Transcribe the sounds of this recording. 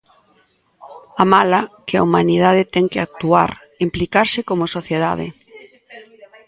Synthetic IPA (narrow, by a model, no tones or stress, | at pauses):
amalakɪaumanið̞að̞ɪt̪ɛŋkɪak̚t̪ua̰ɾ | implikaɾsɪkomʊsoθjeð̞a̰ðɪ̰